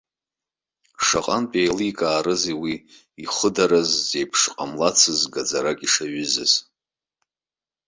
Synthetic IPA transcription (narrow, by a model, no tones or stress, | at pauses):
ʂaqʼanpʼejliikʼaːɾɨzewi | iχʷʊdaɾazːejpʰʂqʼamlat͡sʰɨzɡad͡zaɾakʲʼiʂaɥʏzɨ̰z̥